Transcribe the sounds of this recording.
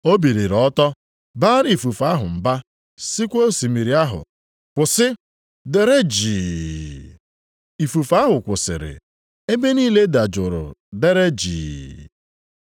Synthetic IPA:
o˦bi˨ɾi˨ɾɔ˦tɔ˦ | baː˦ɾi˨fu˨fa˦ɦʊ˨m̩˨ba˦ | sɪ˦kʷo˦si˨mi˨ɾi˨˦a˦ɦʊ̰˨ | kʷʊ˨sɪ˦ | de˦ɾe˦d͡ʒiː˨ | i˨fu˨fa˦ɦʊ˨kʷʊ˨sɪ̰˨ɾɪ̰˨ | e˦be˦niː˦le˦da˨d͡ʒʊ˨ɾʊ̰˨de˦ɾe˦d͡ʒḭː˨

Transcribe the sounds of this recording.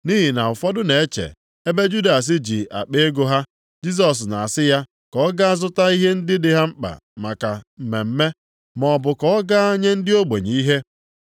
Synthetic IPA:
ni˦ɦi˨na˨ʊ˨fɔ˦dʊ˦ne˨e˦t͡ʃḛ˨ | e˦be˦d͡ʒu˦da˨s̬ɪ˦d͡ʒi˨a̰˨k͡pe˦e˦ɡo˦ɦa˦ | d͡ʒi˦s̬ɔ˨s̬na˨a˨sɪ˦ja˦ | kɔ˨˦ɡa˦a˦zʊ˦ta˦i˦ɦe˦n̩˦dɪ˦dɪ˦ɦa˦ŋ͡m̩˦k͡pa̰˨ | ma˨ka˨m̩˨me˨m̩˦me˦ | mɔ˨bʊ˨kɔ˦ɔ˦ɡa˦a˦ɲe˦n̩˦dɪ˦o˦ɡ͡be˨ɲi˨i˦ɦe˦

